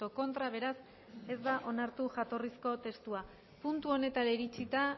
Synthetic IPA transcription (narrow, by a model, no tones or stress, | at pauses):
oko̞nt̪ɾaβ̞e̞ɾas | e̞zd̪aʔo̞naɾt̪uʝat̪o̞risko̞t̪e̞st̪ua | punt̪uo̞ne̞t̪aɾeɾit͡sit̪a